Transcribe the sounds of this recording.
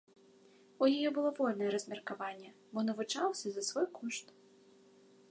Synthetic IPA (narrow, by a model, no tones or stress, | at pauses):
ujajɔbɨlˠɔvɔlʲnɐjɛɾɐzʲmʲɛrkavanʲːɛbɔnɐvut͡ʂawsʲɐzɐsvɔjkʰɔʂt̪